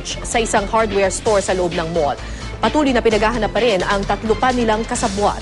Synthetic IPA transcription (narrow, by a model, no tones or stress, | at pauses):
t͡ʃsɐʔɪsaŋhaɹd̪wɛɹst̪o̞ɹsɐloʔob̚nɐŋmol | pɐt̪uːlʊjnɐpɪnɐɡaːɦɐnɐpːɐɾɪnɐŋt̪ɐt̪lʊpanːɪlaŋkɐsɐbuʔa̰